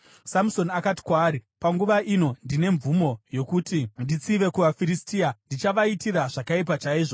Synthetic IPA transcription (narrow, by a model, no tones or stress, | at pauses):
samso̞nakati̥kwaːɾipaŋɡuʋaʔino̞ndine̞ɱvumo̞jo̞kutindit͡siʋe̞kuʋafiɾistiːandit͡ʃaʋaitiɾaʐakaip̬at͡ʃaiːʐo